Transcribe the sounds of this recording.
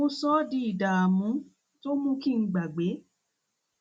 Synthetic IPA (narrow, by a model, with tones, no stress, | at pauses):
mõ˧˦sɔ˦di˧˦i˨da˨a˨mũ˨˦ | to˦mũ˦ki˦˨ŋ̩˧˦ɡ͡ba˨ɡ͡be˨˦